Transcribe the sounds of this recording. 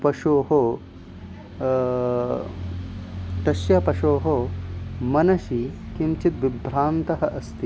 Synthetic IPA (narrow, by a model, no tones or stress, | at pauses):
pɐʃoːɦoː | ʈ̪ɐʃjɐpɐʃoːɦoːmɐnɐʃi | kimt͡ʃit̪ʋibʱɾaːnt̪ɐɦɐʔɐst̪ʰi